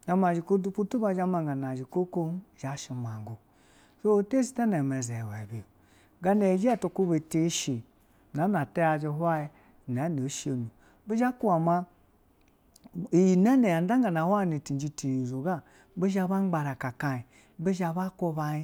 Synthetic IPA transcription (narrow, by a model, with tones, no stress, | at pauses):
a˨ma˨d͡ʒi˨ko˦du˦pu˦tu˦ba˧d͡ʒa˦ma˨ŋɡa˨na˨d͡ʒi˨ko˦ko˦ʒa˨˦ʃi˨ma˨ŋ˨ɡu˨ | so˦te˦si̥˦ta˦ne˨me˨ze˨wɛ˨bi˨ | ɡa˦ne˨d͡ʒi˦a˦˨to˧ku˦be˨te˦ʃi˨ | na˨˦na˨ta˦ja˨d͡ʒi˧ɦwa˦ji˦˨ | na˨˦ne˨˦ʃe˨nu˨ | be˦ʒa˦ku˦a˨ma˦ | i˨ji˨nɛ˦ne˨a˨n˦a˦ŋɡa˨na˨hʷwa˦˨ne˨ti˨n˨d͡ʒi˧ti˨i˨zo˨ɡa˦ | be˦ʒa˦ba˦ɡ͡ba˧ɾa˨ka˨ka˨i˨ | be˦ʒa˨ba˦ko˦˧˦ba˧i˦